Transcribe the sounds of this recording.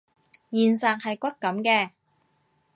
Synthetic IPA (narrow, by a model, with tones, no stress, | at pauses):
jiː˨nsaː˨k̚hɐ˨jkʷɐ˥kkɐ˨˥mkɛː˧